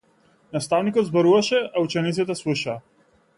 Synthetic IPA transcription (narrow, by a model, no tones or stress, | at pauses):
nast̪avnikɔd̪zbɔɾuvaʃɛaut͡ʃɛnit̪sit̪ɛslˠuʃaː